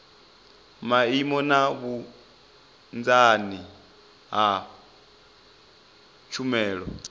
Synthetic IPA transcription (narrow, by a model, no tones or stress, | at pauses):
maimɔnaβu | nd͡zani | ɦa | t͡ʃʰumɛːɺɔ̰